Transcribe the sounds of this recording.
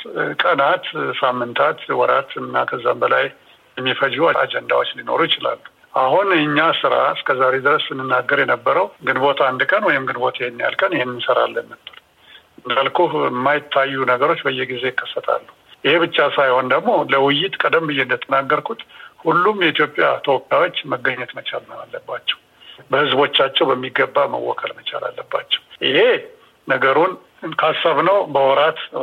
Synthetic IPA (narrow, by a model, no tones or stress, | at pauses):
kʼənat̪samːɨnt̪ʰat̪wɔɾat̪ʰɨnːakʰəzːambəlaj | jɛmːifəd͡ʒuaa̰d͡ʒɛnd̪a̰wo̞t͡ʃːlino̞̰ɾujɪt͡ʃɪla̰lːu | ʔaɦunɨɲːasɨɾa̰ɨskʰəzaɾe̞d̪ɨɾəssɨnːɨnːaɡːəɾjɛnəbːəɾəwɡɨnbo̞t̪ʰaand̪kʼənwɔjɪmɡɨnbo̞t̪ʰɪhenːja̰lkʼənɪhenːɨnsəɾa̰lːənːəbːəl | ɨnd̪alkʰuɪmːajɪt̪ʰːajːunəɡəɾo̞t͡ʃːbəjːɛɡize̞jɪkːə̥sːət̪ʰʼa̰lːuhʔɪhe̞bɨt͡ʃːasajho̞nd̪əɡmo̞ləwɪjːɪt̪kʼəd̪əmbɨjːeɨnd̪ət̪ʼːənaɡːəɾkʰut̪ʼhulːumjɛit̪jo̞pʼːja̰t̪ʰəwɔpʼjawo̞t͡ʃːməɡəɲːɛt̪mət͡ʃa̰lnəa̰lːəbːat͡ʃːɛ̥w | bəhɨzbo̞t͡ʃːat͡ʃːɛwbəmːiɡːəbːamə̰wːɔ̰kʰəlmət͡ʃʼa̰la̰lːəbːa̰t͡ʃːɛ̥wʔɪhe̞ | nəɡəɾun | kʰasːaβnəwbəwɔɾat̪